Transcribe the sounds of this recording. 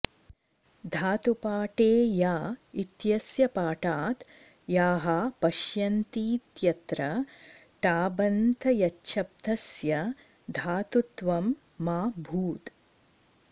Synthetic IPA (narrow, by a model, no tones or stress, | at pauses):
d̪ʱaːt̪upaːʈeːjaːit̪jɐsjɐpaːʈaːt̪ | jaːɦapɐʃjɐnt̪iːt̪jɐt̪ɾɐ | ʈaːbɐnt̪ʰɐjɐtːʃʰɐp̚d̪ʱɐsjɐ | d̪ʱaːt̪ut̪ʋɐmː | aːbʱuːt̪